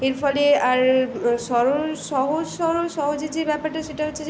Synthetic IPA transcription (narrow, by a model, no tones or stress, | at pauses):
eɾfʰɔleaɾʃɔɾoʃɔɦod͡ʑʃɔɾoʃɔɦod͡ʑed͡ʑebɛpaɾʈaʃeʈaɦotːɕʰe